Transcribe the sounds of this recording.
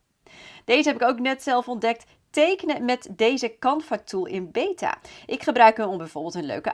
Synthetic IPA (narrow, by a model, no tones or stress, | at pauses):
d̥ejzəɦɛpɪkowknɛtsɛlˠfɔndɛk̚t | tejkənəmɛtdejzəkɑnfɔɹtulˠɪnbejta̰ːʔɪkχəbrœɥkənɔmbɛjv̥ʊːɹbɪlˠtənlø̰ɥkə